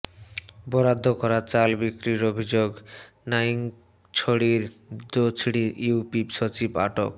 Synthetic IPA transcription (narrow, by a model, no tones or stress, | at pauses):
bɔɾad̪ʱːokɔɾat͡ɕalbikɾiɾobʱid͡ʑoɡ | nain | t͡ɕʰoɽiɾd̪ot͡ɕʰɽiiupipʃot͡ɕiba̰ʈo̰k